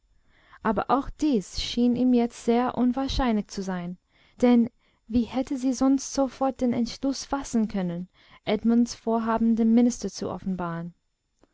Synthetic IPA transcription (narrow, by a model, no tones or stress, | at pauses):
ʔaːbɐ̰ʔaʊxd̥iːsʃiːniːmjɛt͡stz̥eːɐʔʊnvaːɐʃaɪnlɪçt͡suzaɪn | d̥ɛn | viːhɛtəziːzɔnstz̥ofɔɐt̚d̥eːnɛ̰ntʃlʊsfasn̩kʰœnən | ʔɛdmʊnsfoːɐɦaːbm̩dənmɪnɪstɐt͡suʔɔ̰fn̩baːʁən